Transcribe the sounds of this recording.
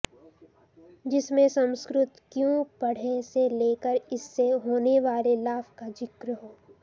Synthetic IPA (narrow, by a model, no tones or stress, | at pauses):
d͡ʒɪsmẽsɐ̃mskɾʊt̪kjũpɐɽ̤eseleːkəɾɪsːeɦoːneʋaːlelaːfkad͡ʒɪkɾəɦoː